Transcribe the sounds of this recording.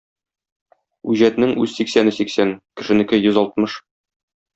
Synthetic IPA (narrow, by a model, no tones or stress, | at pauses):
ʉʑæt̪nɘŋʉzsiksænɘsiksænkɘ̆ʃɘ̆nɘ̆kɘjɵzɒlˠt̪mɤʃ